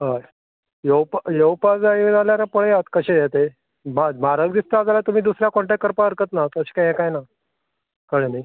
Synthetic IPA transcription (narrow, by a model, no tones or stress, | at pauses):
ɦaj | jowpjewpad͡zaid͡zaljaɾapəɭejat̪kəɕẽd̪jat̪e | mamaɾəɡd̪ist̪ad͡zalat̪um̤iːd̪usɾjakoɳʈakəɾpaəɾkət̪nat̪əsi̥kaɛ̃kajna | kəɽenaj